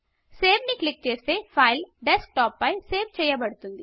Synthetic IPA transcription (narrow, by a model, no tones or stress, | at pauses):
seːʋniklɪk̚t͡ʃeɾsepʰaːɪlɖesk̚ʈɔːpːaiseːʋt͡ʃɐjabɐɽt̪und̪i